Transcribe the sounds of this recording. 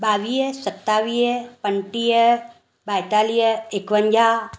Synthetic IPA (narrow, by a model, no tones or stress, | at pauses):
baːʋijəsət̪ːaːʋijəpəɳʈijə | bajʈ̪aːlijəekʋəɲd͡ʒʱa